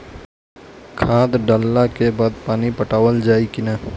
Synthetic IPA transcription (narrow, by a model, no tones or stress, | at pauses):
kʰaːd̪ɖəlːakebaːd̪̚paːnipəʈaːwəld͡ʒaːikɪnaː